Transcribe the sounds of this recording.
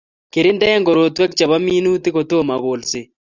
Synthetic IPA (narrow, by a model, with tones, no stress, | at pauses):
ke˨ɾɪ˦ndɛ˦ŋɡo˨ɾo˨twɛ˦k̚t͡ʃa˨βa˦miː˦nu˦ti˦ɣo˨to˦ma˨ɣo˨lse˨